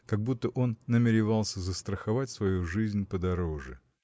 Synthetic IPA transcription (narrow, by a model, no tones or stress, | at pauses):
kɐɡ̚but̪ːəʔo̞nːəmʲɪɾʲɪvɑlˠsʲəzəst̪ɾəxɐvatʲsvɐjuʐɨzʲnʲpəd̪ɐɾo̞ʐɨ̰